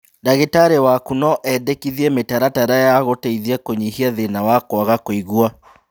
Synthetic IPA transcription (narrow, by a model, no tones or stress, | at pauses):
daɣetaɾewakunɔʔɛdekiðiɛmetaɾataɾajaɣoteiðiakoɲihiaðenawakwaɣakoiɣua